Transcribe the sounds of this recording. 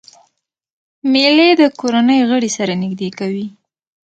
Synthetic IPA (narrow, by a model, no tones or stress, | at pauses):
meled̪əkoɾanəjɣəɽisaɾanɪɡd̪ekawi